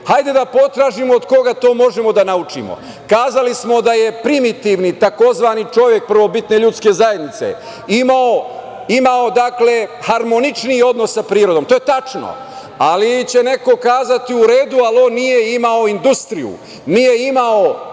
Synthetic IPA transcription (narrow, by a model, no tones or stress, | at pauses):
hajd̪e̞d̪apo̞t̪ɾaːʒimoːd̪ko̞ɡat̪o̞ːmo̞ʒemo̞d̪anaut͡ʃḭmo̰ | kaːzalismo̞d̪aje̞pɾimit̪iːʋnit̪ako̞zʋaːnit͡ʃo̞ʋjek̚pr̩ʋo̞bit̪ne̞ʎut̪ske̞zaje̞d̪nit̪se̞̰ | imao | imao̞d̪akle̞haɾmonit͡ʃnio̞d̪no̞sːapɾiːɾo̞d̪oːmt̪ojet̪at͡ʃno̰ | alit͡ɕe̞ne̞ko̞kaːzat̪iuɾe̞ːd̪ualo̞nːije̞imao̞ind̪ust̪ɾijṵ | nijeimao